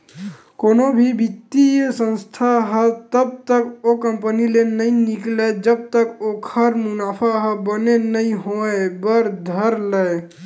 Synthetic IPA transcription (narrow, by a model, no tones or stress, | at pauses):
konobʱibit̪isə̃nst̪ʰaɦət̪əb̚t̪əkokəmpənilenəĩnikled͡ʒəb̚t̪əkokʰəɾmʊnapʰaɦəbənenəĩɦoebəɾd̪ʱəɾlə